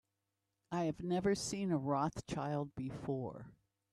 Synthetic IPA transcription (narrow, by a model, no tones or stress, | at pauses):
aɪɨvnɛvə˞sĩnəɹɔθt͡ʃʰaɪlˠd̚bɨfɔɹ